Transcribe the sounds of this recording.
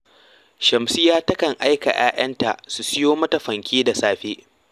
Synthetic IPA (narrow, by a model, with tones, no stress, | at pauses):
ʃɐ˨msɪ˦jaː˦tɐ˦kɐ˨ŋʔa˦jka̰˨jʔa̰ː˦ʔɐ˦nta̰˨ʔsu˨sɪ˦joː˦mɐ˦tɐ˨ɸɐ˨ŋkʲʰeː˦da˨saː˦ɸeː˦ʔ